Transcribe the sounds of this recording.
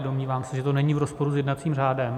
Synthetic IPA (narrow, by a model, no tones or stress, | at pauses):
domɲiːvaːmsɛʒɛt̪onɛɲivɾospo̞ɾusjɛdnat̪t͡siːmraːdɛm